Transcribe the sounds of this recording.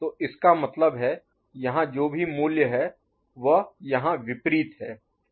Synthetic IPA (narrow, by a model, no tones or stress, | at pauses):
t̪oːʔɪskamɐt̪ləbɦɛ | jɐɦãd͡ʒoːbʱimuːljəɦɛ | ʋɐɦjɐɦãʋɪpɾiːt̪ɦɛː